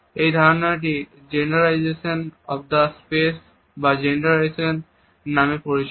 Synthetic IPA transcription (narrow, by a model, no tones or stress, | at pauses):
ejd̪ʱaɾnaʈ̬i | d͡ʑenɾalajd͡ʒeʃonɔfd̪aspes | bad͡ʑenɾaɾajʃonː | amepoɾiʃ